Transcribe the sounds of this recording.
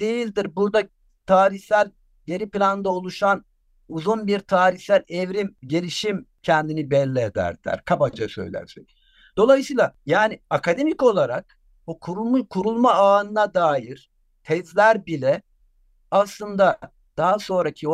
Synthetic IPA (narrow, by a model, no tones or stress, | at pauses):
d̪̥ejilʲd̪iɾbuɾd̪a | t̪ʰaːɾiçsælʲ | je̞niplʲanɯnd̪aolˠuʃan | uzunbiɾt̪ʰaːɾiçsælʲɛvɾimɟe̞lʲiʃimcʰɛnd̪inibɛlʲːɛed̪æ̰ɾd̪̥æ̰ɾkʰabad͡ʒasø̰jlʲæ̰ɾsɛc | d̪̥o̞lˠajɯsɯiːlˠajaːniakʰad̪e̞mico̞lˠaɾak̚ | bukʰuɾumukʰuɾulˠmaaːnɯnad̪aːjiɾ̥ | t̪ʰɛzlʲæɾbilʲɛ | aslˠɯnd̪a | d̪̥aɦaso̞nɾacʰio